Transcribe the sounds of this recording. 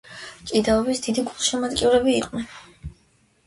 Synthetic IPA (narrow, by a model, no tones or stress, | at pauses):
t͡ʃʼid̪aɔbisd̪id̪iɡulˠʃɛmat̪kʼiuɾɛbiːqʼnɛn